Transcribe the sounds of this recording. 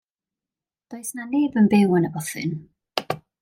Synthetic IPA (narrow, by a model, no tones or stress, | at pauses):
d̥oɨsnaneːbənbɛwənəbɔθɨ̰n